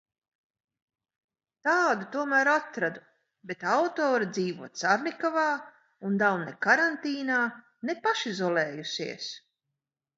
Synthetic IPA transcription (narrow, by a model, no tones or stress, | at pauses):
t̪aːd̪ut̪uɔmæːɾat̪ɾad̪u | bet̪awt̪ɔːɾid̪ziːvuɔt̪saɾnʲikavaː | und̪awnɛkaɾant̪iːnaː | nepaʃizɔlˠɛːjusḭɛs